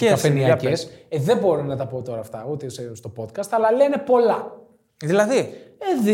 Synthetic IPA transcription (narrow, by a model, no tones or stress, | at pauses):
ceɐsfeniɐpeseðebo̞ɾonɐt̪ɐpot̪o̞ɾɐːft̪ɐot̪isest̪o̞po̞t̪kɐst̪ɐlɐlenepo̞lɐ | ðilɐðieð